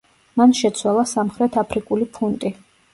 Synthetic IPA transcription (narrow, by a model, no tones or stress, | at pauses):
manʃɛt̪sʰwalˠasamχɾɛt̪ʰapʰɾikʼulipʰunt̪ʼi